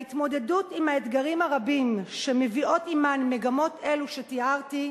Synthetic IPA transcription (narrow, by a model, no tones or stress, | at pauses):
itmo̞de̞dutimhaet̪ɡaʁimhaʁabimʃemevio̞timanmeɡamo̞te̞luʃe̞tiaʁti